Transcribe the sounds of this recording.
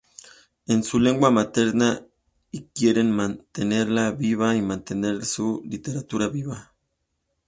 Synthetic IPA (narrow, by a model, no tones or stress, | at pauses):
ensule̞ŋɡwamat̪eɾna | ikjeɾenmant̪ene̞ɾlaβiβaimant̪ene̞ɾsulit̪eɾat̪uɾaβiβa